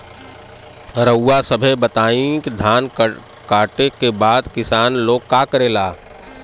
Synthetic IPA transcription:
ɾəwːasəbʱebət̪aːĩkd̪ʱaːn | kaːʈekebaːd̪kɪsaːnloːɡ̚kaːkəɾeːlaː

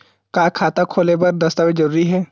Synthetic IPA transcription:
kaːkʰaːt̪akʰoːlepɐɾd̪ɐst̪amed͡ʒɐɾuːɾiɦɛː

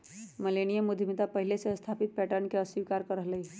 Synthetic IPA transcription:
məleñijəmud̪ʱmit̪apəɦileseəst̪ʰapit̪̚pɛʈəɾnkeəsʋikaɾkəɾəɦləj

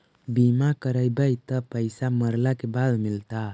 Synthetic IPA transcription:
bimakəɾəjbəjt̪əpəjsaməɾlakebad̪mɪlt̪a

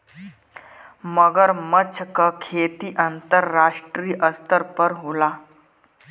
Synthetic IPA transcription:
məɡəɾmət͡ɕʰəkəkʰet̪iːʔənt̪əɾːaʂʈɾiːʔəst̪əɾpəɾɦola

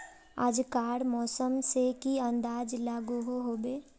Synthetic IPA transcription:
a̰ːd͡ʒkaːɾmɔːsəmsekiə̃nd̪aːd͡ʒlaːɡuɦoɦobeː

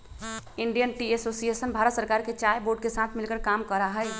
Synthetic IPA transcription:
iɳɖijənʈiesosijesənbʱaɾət̪səɾkaɾket͡ʃajboɾɖkesat̪ʰmilkəɾkamkəɾaɦəj

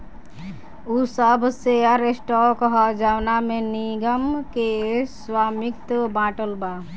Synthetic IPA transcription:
usəbʱseaɾesʈɔkəɦɔd͡ʒawnameniɡəmkeswamikt̪əbãːʈəlba

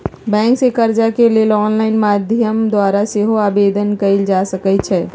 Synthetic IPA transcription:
bɛ̃ŋksekəɾd͡ʒakelelɔːnlaɪnmad̪ʱjəmd̪waɾaseɦoaːbed̪ənkəɪld͡ʒasəkɛt͡ʃʰɛ

